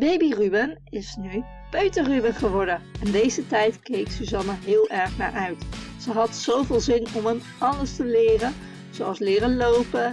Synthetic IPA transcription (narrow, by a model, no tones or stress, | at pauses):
bejbirybənɪsny | pøɥtərybənχəʋɔɹdənɛndejzətɛjtkejksəzɑnəɹɦɪːlˠɛɹχna̰ːɹʔœɥtzəɦɑtzowvɪːlˠzɪnɔmɦən | ɑləɹstəlɪːrən | zowɑlˠslɪːrəlowpə